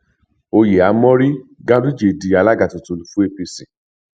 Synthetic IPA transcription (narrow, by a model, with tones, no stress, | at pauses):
o˧je˨a˨˦mɔ̃˦ɾi˦ɡã˦du˦d͡ʒe˨di˨˧˦a˧la˦ɡa˨tu˨to˨˧lu˨fũ˦e˧pi˧si˨